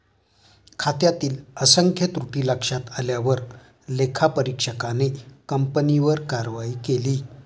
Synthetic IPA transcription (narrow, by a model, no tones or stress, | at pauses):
kʰat̪jat̪iːləsəŋkʰjət̪ɾuʈiːləkʂat̪aljaʋəɾ | lekʰapəɾikʂəkanekəmpəniʋəɾkaɾʋaiːkeliː